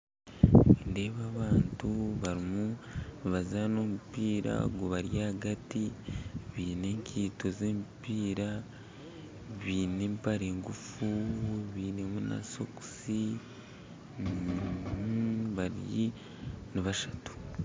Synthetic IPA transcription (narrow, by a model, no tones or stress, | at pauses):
ende̞ːβaβaːntuβaɾimuβazano̞mupiːɾa̰ɡoβaɾjahaɡatiβiːne̞ːŋkʰiːto̞zeːmpiːɾa | βiːne̞ːmpaɾe̞ːŋɡufuβiːne̞muna̰so̞ku̥si | n | βaɾji | niβaʃatu̥